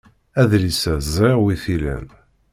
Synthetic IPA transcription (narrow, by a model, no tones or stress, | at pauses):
æðlisæzɾeʁwiθilæ̰n